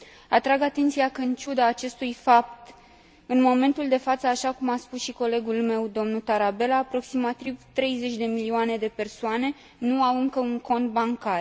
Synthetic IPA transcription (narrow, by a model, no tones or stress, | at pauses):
at̪ɾaɡat̪e̞nt̪sijakəɨnt͡ʃud̪aːt͡ʃe̞st̪ujfap̚t̪ | ɨnmo̞me̞nt̪uld̪e̞fat̪səaʃakumaspusʃiko̞le̞ɡulme̞wd̪o̞mnut̪aɾabe̞laːpɾo̞ksimat̪ivt̪ɾe̞jze̞t͡ʃʲd̪e̞milioane̞d̪e̞pe̞rsoane̞ | nuawɨŋkəuŋko̞nt̪̚baŋkar